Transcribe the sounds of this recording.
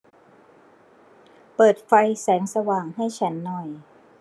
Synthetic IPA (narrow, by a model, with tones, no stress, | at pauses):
pɤː˨˩t̪̚fa˧jsɛː˩˦ŋsa˧waː˨˩ŋha˥˩jt͡ɕʰa˦˥nːɔ˨˩j